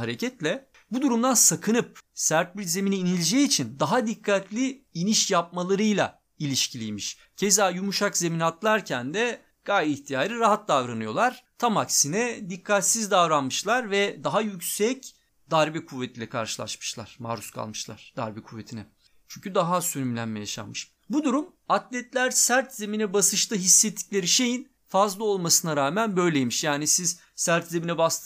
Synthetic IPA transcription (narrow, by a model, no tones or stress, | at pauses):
aɾe̞cʰɛt̪lʲɛ | bud̪uɾumd̪ansakʰɯnɯp̚sæɾt̪̚biɾze̞miniːnilʲed͡ʒɛit͡ʃʰind̪aɦad̪ikʰːat̪ʰlʲiiniʃjap̚malˠaɾɯjlˠa̰ | ilʲiʃcʰilʲijmiʃ | cʰezajumuʃakze̞minat̪lˠaɾcʰænd̪ɛ | ɡ̥ajiçt̪ʰijaːɾɯɾaɦat̪̚d̪avɾanɯjo̞lˠaɾ̥t̪ʰamaksinɛd̪ikʰːat̪sizd̪avɾanmɯʃlˠaɾvɛd̪aɦajycsɛc | d̪aɾbɛkʰuvːet̪ʰilʲɛkʰa̰ɾʃɯ̥lˠa̰ʃmɯ̥ʃlˠa̰ɾ̥maːɾuskʰa̰lˠmɯʃlˠa̰ɾ̥d̪a̰ɾbɛkʰuvːet̪ʰinɛ | t͡ʃʰyɲcʰyd̪aɦasønymlʲænmɛja̰ʃa̰mmːɯʃ | bud̪uɾum | at̪lʲɛt̪lʲæɾsæɾt̪zeminɛbasɯʃt̪ɯɦisːet̪ʰːi̥cʲlʲeɾiʃe̞jin | fazlˠao̞lˠmasɯnaɾaːmænbø̞jlʲejmiʃjaːnisiz | sæɾt̪zeminɛbast̪